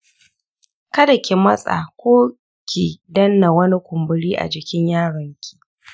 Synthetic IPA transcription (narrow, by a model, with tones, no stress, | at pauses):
kɐ˦da˨kʲe˨mɐ˦sʼa̰˨kʷoː˦ | kʲiː˨dɐ˦nːa˨wɐ˦ni˦kʷʊ˨mbʊ˨ɽiː˦ʔa̰˨d͡ʒɪ˨kʲɪ˦ɲjaː˦ɽɐ˨ŋkʲʰi̥˦˨